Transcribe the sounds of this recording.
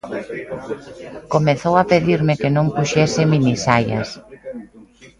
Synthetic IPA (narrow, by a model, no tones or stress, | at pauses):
komeθowapeðiɾmɪkenõŋpuʃɛsɪminisajɐ̰s